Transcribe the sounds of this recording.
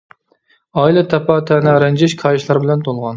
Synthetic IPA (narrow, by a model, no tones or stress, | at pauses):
ɑːilˠɛt̪ʰɛpʰɑt̪ʰɛnɛɾɛnd͡ʒɪʃkʰɑjiʃlˠɑɾbɪlɛnt̪ʰolˠʁɑn